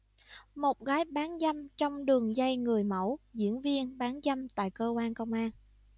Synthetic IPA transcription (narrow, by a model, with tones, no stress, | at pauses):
mo˨˩t̚ɣaː˨˦jɓaː˨˦nza˧mt͡ɕɔ˧wŋ͡mɗɨ˨˩əŋza˧jŋɨ˨˩əjmə˧˩wzḭ˧˥ənvi˧ənɓaː˨˦nza˧mt̪a̰ː˧˨jkəː˧kwaː˧nkə˧wŋ͡mʔaː˧n